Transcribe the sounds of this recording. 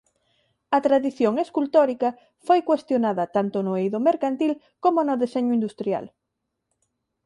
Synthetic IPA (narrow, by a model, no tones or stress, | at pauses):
ɐt̪ɾaðiθjoŋeskult̪oɾikɐ | fojkwest̪jonaðɐt̪ant̪ʊnʊejðomeɾkant̪il | komonʊðeseɲʊind̪ust̪ɾja̰l